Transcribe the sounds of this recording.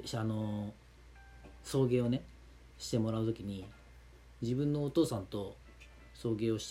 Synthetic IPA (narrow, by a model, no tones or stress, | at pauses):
ano̞ | so̞ːɡe̞ːo̞ne̞ | ɕi̥t̪e̞mo̞ɾaɯ̟t̪o̞kʲiɲ̟i | d͡ʑibɯ̟̃nːo̞ːt̪o̞ːsãnt̪o̞ | so̞ːɡe̞ːo̞ɕi̥